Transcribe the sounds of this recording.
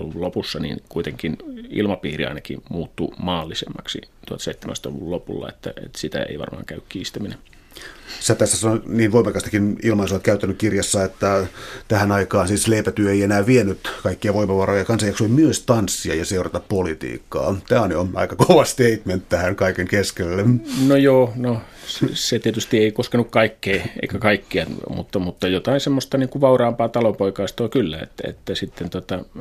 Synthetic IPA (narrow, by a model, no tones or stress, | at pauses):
uulopusːɑnḭnkuit̪eŋkinḭlmɑpiːrḭɑ̰inɑkḭmuːt̪ːumɑːlːisemːɑksit̪uɑ̰lt̪seit̪ːemæ̰st̪lṵʋullopulːɑ̰ḛt̪ːæḛt̪sit̪æ̰ḛiʋɑ̰rmɑ̰ːŋkæykkiːst̪æminen | sæt̪æsːæsɑnoniːnʋoimːˑɑkɑst̪ɑ̥kinilmɑnosoʋɑt̪kæyt̪ːænykkirjɑsːɑet̪ːæt̪æhænɑikɑːnsiːsleːpæt̪yøeienæːʋienːyt̪kɑikːiɑʋoimɑʋɑroːjɑkɑnsɑjɑksoimyøst̪ɑnsːiɑjɑseurɑt̪ɑppolit̪ḭːkːɑ̰ːt̪æːoneonɑ̰ikɑkoʋɑst̪eit̪ment̪t̪æhæŋkɑikeŋkeskelːemnojoːno | sset̪iet̪yst̪ieikoskenukkɑikːeːḛikækɑikːiɑmṵt̪ːɑmut̪ːɑjot̪ɑinsemːost̪ɑniːŋkuʋʋɑurɑːmpɑːt̪ɑlompoikɑist̪oːkylːæ̰ḛt̪ːæ̰ḛt̪ːæsit̪ːent̪ot̪ɑ